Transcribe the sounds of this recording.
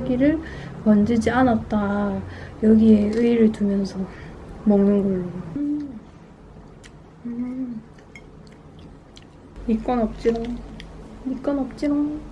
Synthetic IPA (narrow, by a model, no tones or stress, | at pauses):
ɡiɾɯɭ | kʌnd͡ʑid͡ʑianat̚t͈a | jʌɡie̞ɯiɾɯɭtumjʌnsʰʌmʌmnɯnɡʌɭːoɡo | ɯ | ik͈wʌnʌp̚t͡ɕ͈iɾan | ik͈wʌnʌp̚t͡ɕ͈iɾa